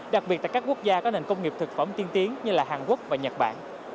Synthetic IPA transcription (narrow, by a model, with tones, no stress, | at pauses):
ɗa˨˩ɓi˨˩t̚t̪aː˧˨˩kaː˦˥ku˦˥ək̚zaː˧kɔ˨˦ne˨˩nkə˧wŋ͡mŋi˨˩əp̚t̪ʰɨ˨˩k̚fə˧˩mt̪i˧ənt̪i˨˦ənɲɨ˧laː˨˩ɦaː˨˩nku˦˥ək̚vaː˨˩ɲə˨˩t̚ɓa̰ː˧˨n